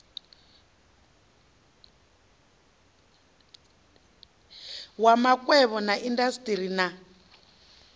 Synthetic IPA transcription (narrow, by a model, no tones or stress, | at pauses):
wamakʼwɛβɔnaʔindasitʼiɾina